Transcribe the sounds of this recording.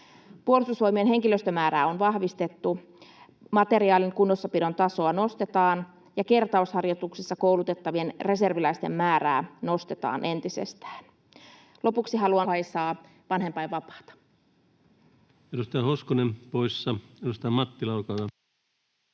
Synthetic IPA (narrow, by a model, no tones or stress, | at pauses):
puolist̪usʋo̞imienɦe̞ŋkiløst̪ømæːɾæːonʋɑhʋist̪e̞t̪ːu | mɑt̪eɾiɑːliŋkunːosːɑpidont̪ɑso̞ɑno̞st̪et̪ɑːn | jɑke̞rt̪ɑushɑrjot̪uksisːɑkoulut̪et̪ːɑʋienre̞se̞rʋilæist̪ḛmːæːɾæ̰ːno̞st̪et̪ɑ̰ːnʔe̞nt̪isḛst̪æ̥ːn | lopuksiɦɑluɑɑisɑː | ʋɑnɦempɑjʋɑpɑ̥ːt̪ɑ̥ | edust̪ɑːhoskonempoisːɑeɾust̪ɑmɑt̪ːilɑukɑɑ